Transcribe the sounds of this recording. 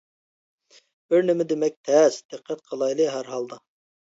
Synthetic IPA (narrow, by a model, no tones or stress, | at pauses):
b̥ɪɾnɪmɪd̪ɪmɛk̚ʲt̪ʰɛsd̪̥ɪqʰːɛt̪̚qʰəlˠɑjlˠɨɦæɾɦɑlˠd̪ɑ